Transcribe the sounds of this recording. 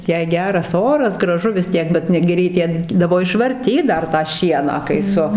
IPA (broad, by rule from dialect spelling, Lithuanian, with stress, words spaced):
jɛɪ ˈɡʲæːrɐs ˈoːrɐs ɡrɐˈʒʊ ʋʲɪs ˈtʲiɛk ˈbʲɛt ˈnʊ ɡʲɪ rʲɛɪˈkʲeːdɐʋoː ɪʃʋɐrʲˈtʲiːt ˈdɐr tɑː ˈʃʲiɛnɑː kɐɪ ˈsʊ